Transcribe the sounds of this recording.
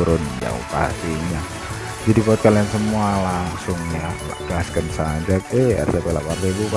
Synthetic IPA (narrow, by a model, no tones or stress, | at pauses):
ɾʊnja̰ṵpa̰siɲa | d͡ʒadipot̪̚kaliansəmualaŋsʊŋɲala̰ɡ̥askənsad͡ʒak̚ɛɛ̰rt̪apɛla̰parːebupa